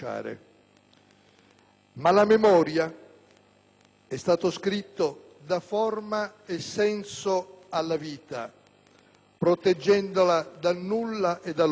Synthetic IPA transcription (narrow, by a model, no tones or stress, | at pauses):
a̰ːɾḛ | malamemɔːɾja | ɛst̪aːt̪oskɾit̪ːo | d̪afɔrmaesːɛnsoalːaviːt̪a̰ | pɾot̪ed͡ʒːɛnd̪olad̪anːulːaʔed̪al